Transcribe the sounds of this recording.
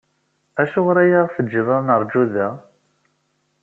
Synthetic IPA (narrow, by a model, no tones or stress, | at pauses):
æʃʊʁɾæjaʁθəd͡ʒːəðɑɾˤnəɾˤd͡ʒuðæ